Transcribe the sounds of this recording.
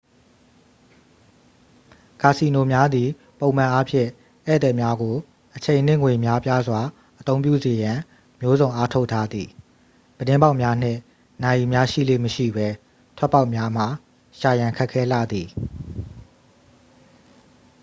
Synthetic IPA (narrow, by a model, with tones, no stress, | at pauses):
ka˨si˨no˨mja˦d̪i˨ | põ˨ʊ̃mã˨ʔa˦pʰjɪ̰̃˦˨ | ʔɛ̰˦˨t̪ɛ˦˨mja˦ɡo˨ | ʔət͡ɕʰẽ˨ɪ̃n̥ɪ̰̃˦˨ŋwe˨mja˦pja˦zwa˨ | ʔət̪õ˦ʊ̃pjṵ˦˨ze˨jã˨ | mjo˦zõ˨ʔa˦tʰo˦ʊʔtʰːa˦d̪ði˨ | b̥ədɪ̃˦mba˦ʊʔmja˦n̥ɪ̰̃˦˨ | na˨ji˨mja˦ʃḭ˦˨lḛ˦˨məʃḭ˦˨bɛ˦ | tʰwɛ˦pːa˦ʊʔmja˦m̥a˨ | ʃa˨jã˨kʰɛ˦ʔkʰːɛ˦la̰˦˨d̪i˨